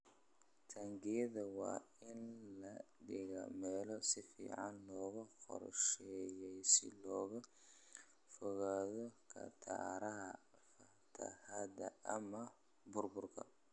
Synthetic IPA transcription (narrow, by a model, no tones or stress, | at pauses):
t̪ʰɐŋɡɪjɐðɐwɑ̰ː | ɪnlɐɖɪɣɐmɛːlɔsɪfḭːʕɑnlɔːɣɐhɔ̰rʃɛːjɛjsɪ̰lɔːɣɐ | fɔɣaːðɔkʰɐ̰t̪ʰa̰ːɾɐɦɐfɐ | t̪ʰɐ̰hɐd̪ɐɐmɐ | bʊrbʊrkʰɐ̰